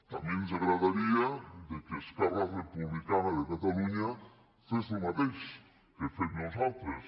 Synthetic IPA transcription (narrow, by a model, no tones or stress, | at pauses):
t̪amjẽns̬aɣɾaðaɾiad̪ekeskararepuβlikanaðekat̪aluɲa | fesemaðejs | kefenosawt̪ɾes